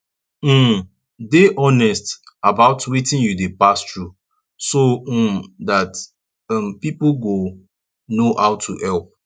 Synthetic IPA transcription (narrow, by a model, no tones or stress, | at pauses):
m̩ | deʔɔnɛst | abaʊtwetɪ̃njudepastɹu | so | dat | ampipoɡo | nohaʊtʰuʔɛlp̚